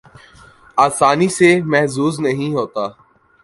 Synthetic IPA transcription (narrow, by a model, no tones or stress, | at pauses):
aːsaːnisemɛɦzuːznəɦĩɦoːt̪aː